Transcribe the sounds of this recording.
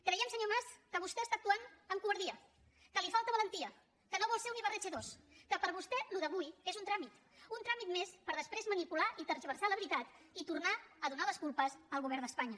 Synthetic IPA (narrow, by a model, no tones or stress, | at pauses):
kɾɛjiɛmsəɲomaskəβust̪ɛəst̪aək̚t̪uanəŋkuβəɾðiə | kəlifalˠt̪əβələnt̪iə | kənoβɔlˠseuniβəɾɛʒeðoskəpəɾβust̪ɛluðəβujezunt̪ɾamit̪ | unt̪ɾamit̪mespəɾðəspɾezmənipulaʔit̪əɾzβəɾsaləβɾit̪at̪ | it̪urnaəðunaləskulˠpəzəlˠɣuβɛɾd̪əspaɲə